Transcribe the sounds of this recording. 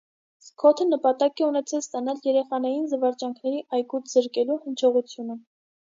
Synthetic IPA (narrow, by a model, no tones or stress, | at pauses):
skʰɔt̪ʰənəpɑt̪ɑkɛunɛt͡sʰɛlst̪ɑnɑljɛɾɛχɑnɑjinzəvɑɾt͡ʃɑŋkʰnɛɾiʔɑjkut̪ʰz̥əɾkɛluhənt͡ʃʰɔʁut͡sʰjunə